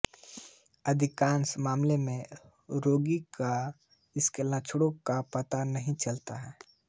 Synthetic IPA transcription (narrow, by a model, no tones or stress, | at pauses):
ɐd̪ʱɪkaːnsmaːmlemẽ | ɾoːɡika | ɪskelãt͡ʃʰʊɽokapət̪anəɦĩt͡ʃɐlt̪aɦɛː